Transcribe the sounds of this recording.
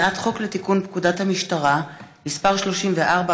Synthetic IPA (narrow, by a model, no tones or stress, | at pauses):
ʔatχo̞kletikunpkudathamiʃtaʁamispaʁʃlo̞ʃimveʔaʁba